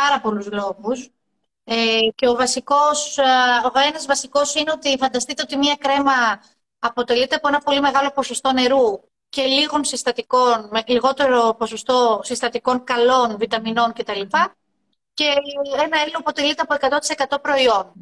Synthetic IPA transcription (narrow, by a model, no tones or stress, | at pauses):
pɐɾɐpo̞luzlo̞ɣus | ece̞o̞vɐsiko̞soenɐzvɐsiko̞sineo̞t̪ifɐnd̪ɐst̪it̪eo̞t̪̬imɲɐkɾe̞mɐː | po̞t̪e̞lit̪e̞ɐpo̞e̞nɐpo̞lime̞ɣɐlo̞po̞so̞st̪o̞ne̞ɾu | ce̞liɣo̞nsist̪ɐt̪iko̞nmeliɣo̞t̪e̞ɾo̞po̞so̞st̪o̞sist̪ɐt̪iko̞ŋkɐlo̞nvit̪ɐmino̞nce̞t̪ɐlipɐ | ce̞enɐeloɐpo̞t̪e̞lit̪eɐpoe̞kɐt̪ot̪i̥se̞kɐt̪o̞pɾo̞io̞n